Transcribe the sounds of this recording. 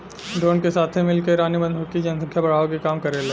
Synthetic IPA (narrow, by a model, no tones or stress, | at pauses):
ɖ̪oːnkesaːt̪ʰẽmɪlkeɾaːnibɐ̃nd̪ʱokid͡ʒɐnsɐ̃ŋkʰjabɐɽ̤aːʋokekaːmkɐɾele